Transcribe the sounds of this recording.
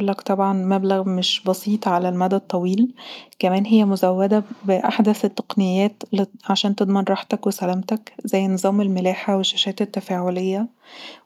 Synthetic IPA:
ʔlːækt̪ˤɑbʕɑnmæblæɣmeʃbɑsiːt̪ˤʕalælmæd̪æd̚t̪ˤːɑwiːlkæmæːnɦejːæmozæwːæd̪æbeʔaħd̪æθet̪ːɑ̥qnejːæːt̪lʕaʃæːnt̪ed̪ˤmɑnɾˤɑːħt̪ækwesælæːmt̪ækzæjːnɨzˤɑːmelmelæːħaweʃːæʃæːt̪et̪ːæfæːʕolejːæ

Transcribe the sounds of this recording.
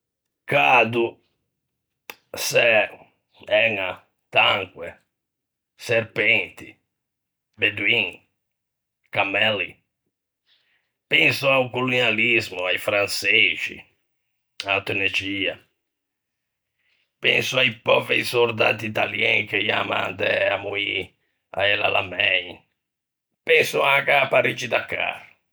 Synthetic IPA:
kad̪u | sɛ | ɛŋa | t̪aŋkwɛ | seɾpɛnt̪i | bed̪wiŋ | kamɛli | pɛnsuaukolunjalizmuajfɾanset͡ʃḭ | aːt̪uned͡ʒiːa | pɛnsuajpɔveɾisoɾd̪a̰ːt̪iit̪aljɛŋkejama̰nd̪ɛamui | a̰ɛla̰lamɛj | pɛnsuakapaɾid͡ʒid̪akːa̰ɾ

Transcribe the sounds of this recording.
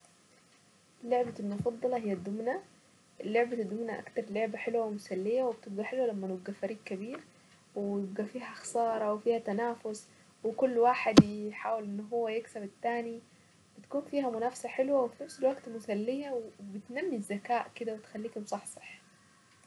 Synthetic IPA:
ʔɪlːoʕbalmʊfɑd̪ˤːɑlɑɦɪjːad̪ːʊmna | ʔlːoʕbad̪ːʊmnaʔa̰kt̪ɑɾˤloʕbaħɪlwawɪmʊsalːɪjawɪbt̪ɪb̚ɡaħɪlwalamːanʊbɡafæɾiːɡkabiːɾ | wɪjɪbɡafiːɦaxɑ̥sˤɑːɾˤɑwɪfiːhat̪anaːfʊs | wɪkʊlːwaːħɪd̪jħaːwɪlʔɪnːɦʊwːajɪksabɪt̪ːaːni | b̥ɪt̪kuːnfiːɦamʊnaːfsaħɪlwawɪfinafsalwaɡt̪mʊsalːɪjawbɪt̪namːizːakaːʔkɪd̪awɪt̪xalːiːkʊmsˤɑħsˤɑ̥ħ

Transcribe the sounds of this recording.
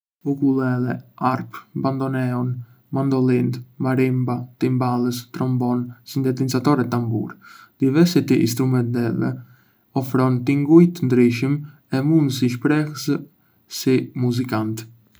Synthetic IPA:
ukulˠɛlɛaɾpband̪ɔnɛɔn | mand̪ɔlˠint̪maɾimbat̪imbalˠəst̪ɾɔmbɔnsind̪ɛt̪insat̪ɔɾɛt̪ːambṵɾd̪̥ivɛɾsɛt̪iʔḭnst̪ɾumɛnt̪ɛvɛ̰ | ɔfɾɔnt̪iŋɡujt̪ənd̪ɾiʃim | ɛmund̪s̬iʃpɾɛhəs | simuzikant̪

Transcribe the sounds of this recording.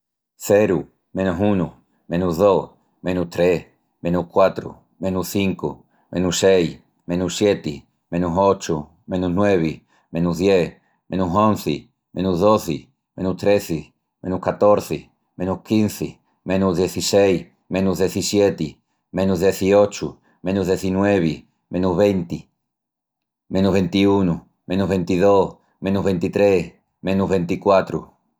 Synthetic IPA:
θeɾu | mẽnusunu | mẽnuɦðoh | mẽnuht̪ɾeh | mẽnuhkwat̪ɾṵ | mẽnuhθiŋko̰ | mẽnusej | mẽnusjet̪i | mẽnusot͡ʃu | mẽnuznweβ̞i | mẽnuðjeh | mẽnusõn̟θɪ | mẽnuzðoθɪ | mẽnut̪ɾeθɪ | mẽnuhkat̪oɾθe | mẽnuhkinθi | mẽnuzðjeθisej | mẽnuzðeθisjet̪i | mẽnuzðjeθiot͡ʃu | mẽnuzðeθinweβ̞i | mẽnuzβent̪i | mẽnuɦβẽnt̪iunu | mẽnuɦβent̪iðoh | mẽnuɦβent̪it̪ɾe | mẽnuɦβẽnt̪ikwat̪ɾṵ

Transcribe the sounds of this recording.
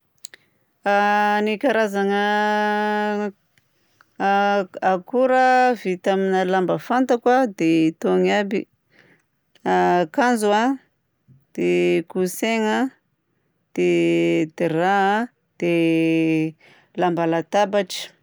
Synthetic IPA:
anikaɾazaŋə | kuɾəvit̪aminəlambəfant̪akwad̪eit̪oŋabi | akanzua | d̪̥ekuseŋə | d̪̥ed̪̥era | d̪̥e | lambalat̪abaʈ͡ʂə̥

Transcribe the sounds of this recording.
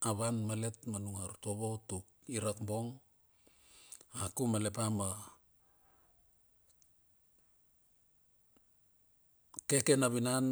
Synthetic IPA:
aβanmale̞tmanuŋaɾtoβotuk̚ | iɾakbo̞ŋ | akumale̞pama | ke̞ke̞naβinan

